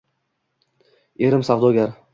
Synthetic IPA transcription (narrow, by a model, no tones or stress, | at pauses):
eɾɪmsavd̪ɒɡʲaɾ